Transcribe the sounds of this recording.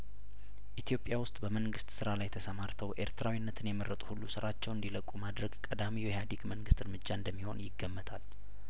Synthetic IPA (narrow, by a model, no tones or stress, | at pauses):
ʔit̪ʰjo̞pʼjawʊst̪ʼbəməŋɡɨst̪sɨɾalajt̪ʰəsəmaɾt̪ʰəwʔe̞̰ɾt̪ʰɾawinːət̪ʰɨnjɛməɾːət̪ʼu̥hulːusɨɾat͡ʃːɛwɨnd̪iləkʼːumad̪ɾəɡkʼəd̪amiwɛjad̪iɡməŋɡɨst̪ɨɾmɨd͡ʒːaɨnd̪əmːiho̞̰njɪɡːəmːət̪ʰal